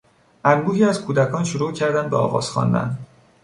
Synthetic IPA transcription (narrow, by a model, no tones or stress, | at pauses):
ʔænbuːɦiːæzkʰuːd̪ækʰɒːnʃoɾuːcʰæɾd̪ænd̪beɒːɣɒ̰ːz̥xɒ̰ːnd̪æ̰nd̪